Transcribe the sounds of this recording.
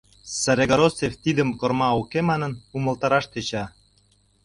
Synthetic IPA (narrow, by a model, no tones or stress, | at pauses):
sæɾeɣoɾoseft̪id̪əmkormɑukemɑnə̆numə̆lt̪ɑɾɑʃt̪et͡ɕɑ